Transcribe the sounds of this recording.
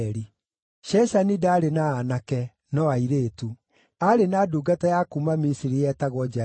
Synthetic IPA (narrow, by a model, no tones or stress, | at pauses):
ɾi | ʃɛsanidaaɾenaːnakɛ | nɔaiɾeːtu | aɾenaːduːɡatajakumamisiɾijɛtaɣwɔd͡ʒa